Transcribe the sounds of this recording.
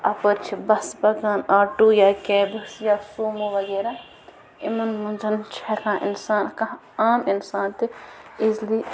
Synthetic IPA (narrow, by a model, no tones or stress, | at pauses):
ɐpəɾt͡ʃʰibɐsbɐɡaːnaːʈuːjaːkɛːbɨsjaːsuːmuʋɐɡeːɾaː | ɪmɐnmɐnzɐnt͡ʃʰɛkãːɪ̰nsaːnkɐ | aːmɪnsaːnt̪iɪzliː